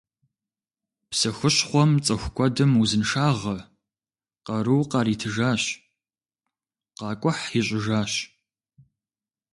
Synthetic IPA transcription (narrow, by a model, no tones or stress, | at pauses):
psɨxʊɕχʷɔmt͡sʼɐxʷkʷʰʼɔdɨmuzɨnʂaːʁɐ | qɐɾuwqɑːɾiːtʰɨʒaːɕ | qɑːkʷʼʊħiɕʼɪʒaːɕ